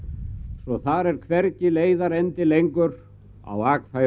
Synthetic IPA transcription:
svɔθaɾɛɾ̥kʰvɛɾcɪleːjðaɾɛnt̪ɪlejŋkʏɾ | a̰waːkfa

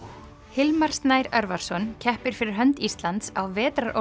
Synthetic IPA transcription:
hɪlmaɾ̥st̪najɾœɾvaɾ̥sɔncʰɛhpɪɾ̥fɪɾɪɾ̥ɦœnt̪ist̪lant̪sawvɛːt̪ɾaɾʔo̰

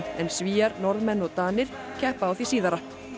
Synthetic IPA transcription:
ɛnsviːaɾnɔɾðmɛnːɔɣt̪aːnɪɾ̥ | cʰɛhpaːwθisiːðaɾa

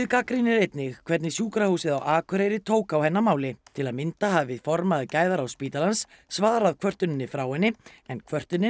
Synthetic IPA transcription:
ðkakɾinɪɾejt̪nɪɣkʰvɛɾt̪nɪsjuːkɾahuːsɪða̰wʔaːkʰʏɾejɾɪt̪ʰoːwkawhɛnːamaːwlɪt̪ʰɪlaðmɪnt̪aɦavɪvɪðfɔɾmaðcaːjðaɾawspiːt̪alansː | vaːɾaðkʰvœr̥t̪ʏnɪnːɪfɾaːwhɛnːɪɛnkʰvœr̥t̪ʏnːɪ

